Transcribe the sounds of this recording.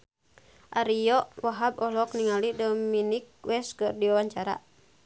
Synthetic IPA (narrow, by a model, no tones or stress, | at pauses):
ʔaɾijɔʔwaɦabɔlɔk̚niŋalidɔminik̚wɛskɨrdiwawaɲt͡ʃaɾa̰